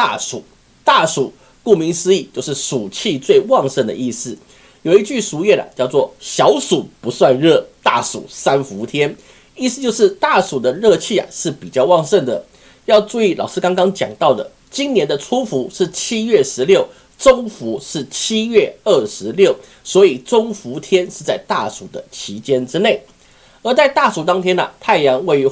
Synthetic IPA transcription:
a˥˩ʂu˨˩˦ | t̪a˥˩ʂu˨˩˦ | ku˥˩mi˧˥ŋsɹ̩˥i˥˧t͡ɕjo˥˧ʊʂɻ̩˥˩ʂu˨˩t͡ɕʰi˥˧t͡swe˥˧ɪwɑ˥˧ŋʂə˥˩nd̪ə̰˩ʔi˥˧sɹ̩˥˩ | jo˨˩ʊi˥˩t͡ɕy˥˩ʂu˧˥ɥɛ˥˩na̰˨˩t͡ɕjɑ˥˧ʊt͡swɔ˥˩ɕjɑ˧˥ʊʂu˨˩pu˧˥swa˥˧nɻɤ˥˧t̪a̰˥˩ʂṵ˨˩sa˥nfu˧˥t̪ʰjɛ˥n | i˥˧sɨ˧t͡ɕjo˥˧ʊʂɻ̩˥˧t̪a˥˩ʂu˨˩d̪ə˦ɻɤ˥˧t͡ɕʰi˥˩a̰˨˩ʂɻ̩˥˩pi˨˩t͡ɕjɑ˥˧ʊwɑ˥˧ŋʂə˥˩nd̪ə˩ | jɑ˥˧ʊʈ͡ʂu˥˧i˥˩lɑ˨˩ʊʂɻ̩˥kɑ˥ŋkɑ˥ŋt͡ɕjɑ̰˨˩ŋt̪ɑ˥˩ʊd̪ə̰˩ | t͡ɕi˥nnjɛ˧˥nd̪ə˧ʈ͡ʂʰu˥fu˧˥ʂɻ̩˥˩t͡ɕʰi˥ɥɛ˥˩ʂɻ̩˧˦ljo˥˩ʊ | ʈ͡ʂo˥ŋfu˧˥ʂɻ̩˥˩t͡ɕʰi˥ɥɛ˥˩ə˥˩ʂɻ̩˧˦ljo˥˩ʊ | swɔ˧˥i˨˩ʈ͡ʂʊ˥ŋfu˧˥t̪ʰjɛ˥nʂɻ̩˥˧t͡sa˥˧ɪt̪a˥˩ʂu˨˩d̪ə˦t͡ɕʰi˧˥t͡ɕjɛ˥nʈ͡ʂɻ̩˥ne˥˩ɪ | ə˞˧˥t͡sa˥˧ɪt̪a˥˩ʂu˨˩t̪ɑ˥ŋt̪ʰjɛ˥nɐ̰˨˩t̪ʰa˥˩ɪjɑ˧˥ŋwe˥˩ɪy˧˥

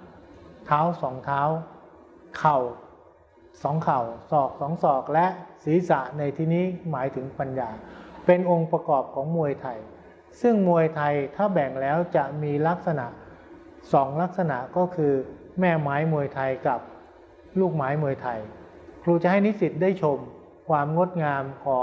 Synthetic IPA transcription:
t̪ʰaː˦˥wsɔː˩˦ŋt̪ʰaː˦˥w | kʰa˨˩w | sɔː˩˦ŋkʰa˨˩wsɔː˨˩k̚sɔː˩˦ŋsɔː˨˩k̚lɛ˦˥ʔsiː˩˦sa˨˩ʔna˧jt̪ʰiː˧niː˦˥maː˩˦jt̪ʰɯ˩˦ŋpa˧njaː˧pe˧nʔo˧ŋpɾa˧kɔː˨˩p̚kʰɔː˩˦ŋmu˧əjt̪ʰa˧j | sɯ˥˩ŋmu˧əjt̪ʰa˧jt̪ʰaː˥˩bɛ˨˩ŋlɛː˦˥wt͡ɕa˨˩ʔmiː˧la˦˥k̚sa˧na˨˩ʔ | sɔː˩˦ŋla˦˥k̚sa˧na˨˩ʔkɔː˥˩kʰɯː˧mɛː˥˩maː˦˥jmu˧əjt̪ʰa˧jka˨˩p̚ | luː˥˩k̚maː˦˥jmu˧əjt̪ʰa˧j | kʰluː˧t͡ɕa˨˩ʔha˥˩jni˦˥si˨˩t̪̚daː˥˩jt͡ɕʰo˧m | kʰwaː˧mŋo˦˥t̪̚ŋaː˧mkʰɔː˩˦ŋ

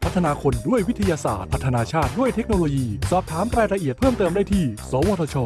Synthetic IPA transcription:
pʰa˦˥t̪ʰːnaː˧kʰo˧ndu˥˩əjwi˦˥t̪ʰa˧jaː˧sa̰ː˨˩t̪̚pʰa˦˥t̪ʰːa˧naː˧t͡ɕʰaː˥˩t̪̚du˥˩əjt̪ʰe˦˥k̚no˧loː˧jiː˧sɔː˨˩p̚t̪ʰaː˩˦mɾaː˧jɾa˧ʔi˨˩ət̪̚pʰɤː˥˩mt̪ɤː˧mda˥˩jt̪ʰiː˥˩sɔː˨˦woː˧t̪ʰa˧t͡ɕʰɔː˧

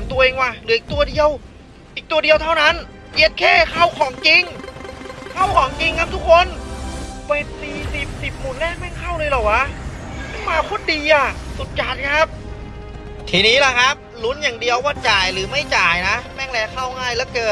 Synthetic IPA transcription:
nt̪u˧ɐʔeː˧ŋwaː˧˩lɯː˨˦i˨k̚t̪u˧ɐdi˧əw | ʔiː˨˩k̚t̪u˧ɐdi˧əwt̪ʰa˥˩wna˦˥n | ʔe˧˦˥t̪̚kʰeː˥˩kʰa˥˩wkʰɔː˨˩˦ŋt͡ɕi˧ŋ | kʰa˥˩wkʰɔː˩˦ŋt͡ɕi˧ŋkʰa˦˥p̚t̪ʰu˦˥k̚ʰːo˧n | peː˨˩t̪̚siː˨˩si˨˩p̚si˨˩p̚muː˨˩nlɛː˥˩k̚mɛː˥˩ŋkʰa˥˩wlɤː˧jlɔː˨˩w̚ʔa˧˦˥ | maː˧kʰo˧˥˩ndiː˧ʔa˨˧˩su˨˩t̪̚t͡ɕaː˨˩t̪̚kʰa˦˥p̚ | t̪ʰiː˧niː˦˥la˧˩kʰa˦˥p̚lu˦˥njaː˨˩ŋdi˧əwwaː˥˩t͡ɕaː˨˩jlɯː˩˦ma˥˩jt͡ɕaː˨˩jna˦˥mɛː˥˩ŋlɛː˧kʰa˥˩wŋaː˥˩jlɛː˦˥kɤː˧˩

